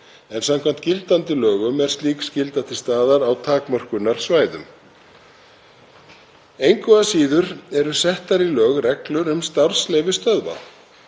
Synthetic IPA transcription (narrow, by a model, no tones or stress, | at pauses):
ɛnsamkʰvamn̥t̪cɪlt̪ant̪ɪlœːɣʏmɛɾ̥st̪liːkscɪlt̪aht̪ɪst̪aːðaɾawt̪ʰaːkmœr̥kʏnːaɾ̥svaːjðʏ̰m | ejŋkvɔasiːðʏɾɛɾʏsɛht̪aɾilœːɣrɛklʏɾʏmst̪aɾ̥slejvɪst̪œðva̰